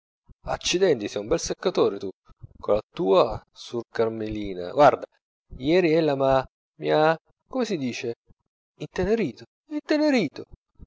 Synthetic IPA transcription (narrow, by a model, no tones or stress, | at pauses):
a̰t͡ʃːid̪ɛnt̪isɛjumbɛlsekːat̪oːɾet̪ukolat̪uːasurkarmeliːna̰ɡward̪a | jɛːɾiɛlːama | mia | komesid̪iːt͡ʃe | int̪eneɾiːt̪o | int̪eneɾiːt̪o